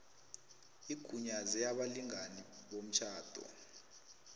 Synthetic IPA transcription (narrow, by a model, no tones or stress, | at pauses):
ikʰuɲazɛjaɓaliŋaniɓom̩t͡ʃʰaːd̥ʱɔ̰